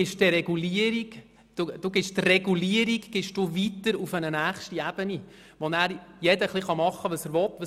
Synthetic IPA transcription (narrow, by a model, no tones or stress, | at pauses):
ɪʃdəɾɛɡuliəɾik | d̥ud̥uːɡɪʃt̪rɛɡuliəɾiɡɡ̥ɪʃd̥uvit̪əɾufənənæːχʃtiɛb̥əni | ʋɔnæːɾjɛdəχliχɑmɑχːəʋəsəɾʋɔt̪ːʋə